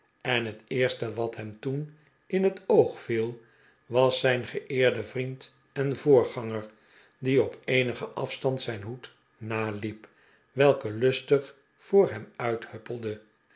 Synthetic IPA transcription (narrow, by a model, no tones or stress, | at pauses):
ɛnɦətɪːɹstəʋɑtɦɛmtun | ɪnɦətowχfilˠ | ʋɑsɛjnχəʔɪːɹdəvrint | ɛnvoːɹχɑŋəɹ | diɔpejnəχəʔɑfstɑntsɛjnɦut | naːlip | ʋɛlˠkəlɵstəχ | fʊːɹɦɛmœɥthøpəlˠdə